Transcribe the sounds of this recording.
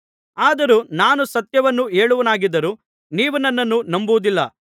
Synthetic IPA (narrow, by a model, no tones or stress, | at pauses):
aːd̪ɐɾunaːnusɐt̪jɐʋɐnːueːɭuʋɐnaːɡid̪ːɐɾuː | niːʋunɐnːɐnːunɐmbuʋud̪ilːɐ̰